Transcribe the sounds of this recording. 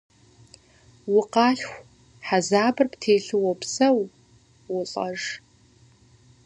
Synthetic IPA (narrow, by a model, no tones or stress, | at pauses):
wʊqɑːɬxʷ | ħazaːbɨrptʰeːɬɨwɔpsɐw | wʊɬʼɐʐ